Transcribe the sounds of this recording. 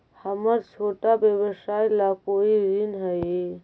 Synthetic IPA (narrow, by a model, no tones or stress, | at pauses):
həməɾt͡ʃʰoːʈabjəbəsaːjlakoːiɾinɦəje